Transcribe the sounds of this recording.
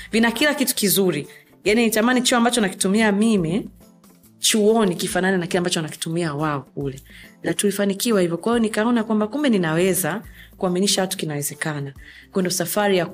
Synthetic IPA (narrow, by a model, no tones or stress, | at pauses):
vinakilakitu̥kizuɾi | janitamanit͡ʃuɔambat͡ʃɔnaki̥tumiamimi | t͡ʃuɔnikifananɛnakilambat͡ʃɔanaki̥tumiawaɔk̚ulɛnatulifanikiwahivɔkwahijɔnikaɔnakwambakumbɛninawɛzakuaminiʃawatu̥kinawɛzɛkana | kwɛndɔsafaɾija